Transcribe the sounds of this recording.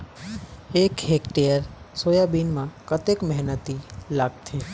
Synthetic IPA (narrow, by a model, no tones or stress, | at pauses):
ekɦekʈejəɾ | sojabinmãkət̪ekmɛɦnət̪ilaɡ̚t̪ʰe